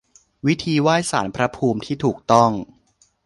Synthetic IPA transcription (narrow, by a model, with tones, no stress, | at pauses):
wi˦˥t̪ʰiː˧waː˥˩jsaː˩˦npʰɾa˦˥pʰuː˧mt̪ʰiː˥˩t̪ʰuː˨˩k̚t̪ɔ˥˩ŋ